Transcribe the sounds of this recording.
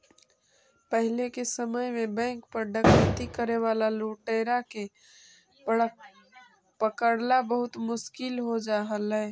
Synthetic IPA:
pəɦɪlekesəməjmẽbɛ̃ːŋk̚pəɾɖəkʰɾət̪ikəɾeʋaːlaloːʈeːɾake | pəkəɽlabəɦʊt̪mʊʃkɪlɦod͡ʒaːɦəlɦɛː

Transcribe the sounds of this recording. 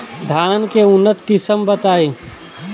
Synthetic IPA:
d̪ʱaːnkeʊnːət̪kɪsəmbət̪aːiː

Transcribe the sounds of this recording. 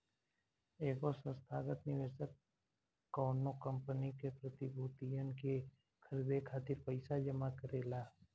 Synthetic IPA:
eːkosə̃nst̪ʰaːɡət̪nɪʋeːʃəkː | ɔːnokə̃mpənikepɾət̪ibʱuːt̪ijənke | kʰəɾd̪ekʰaːt̪ɪɾpəɪsad͡ʒəmakəɾeːlaː

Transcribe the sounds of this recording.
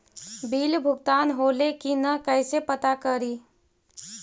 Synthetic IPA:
bilbʱuɡ̚t̪anɦolekinəkəɪsepət̪akəɾi

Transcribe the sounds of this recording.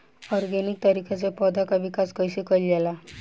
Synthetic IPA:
ɔɾɡenik̚t̪əɾikʰat͡sepɔd̪ʱakabikaskəjsekəljɛla

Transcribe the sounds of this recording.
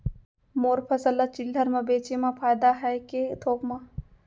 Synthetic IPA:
moːɾpʰɐsəlːat͡ʃɪld̪ʱəɾmẽbeːt͡ʃemãpʰaːjd̪aɦɛket̪ʰoːkmã

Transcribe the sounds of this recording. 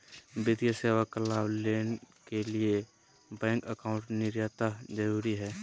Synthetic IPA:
bɪd̪jaseːwakəlaːwleːnkelie | bɛ̃ːŋkəkaːʊ̃ɳʈnɪɾjaːt̪ad͡ʒəɾuːɾiɦɛː

